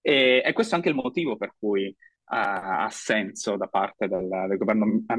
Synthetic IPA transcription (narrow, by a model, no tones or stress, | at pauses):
ɛɛkːwest̪oaŋkeilmot̪iːvoperk̚uj | aa̰sːɛnsod̪apart̪ed̪eld̪elɡovɛrnoa